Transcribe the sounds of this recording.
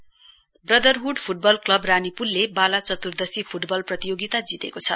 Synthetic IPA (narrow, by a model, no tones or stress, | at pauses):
brʌd̪ʌrɦuɖpʰuʈ̚bʌlklʌbranipullːebalat͡sʌt̪urd̪ʌsipʰuʈbʌlprʌt̪ijoɡit̪ad͡zit̪ekot͡sʰʌ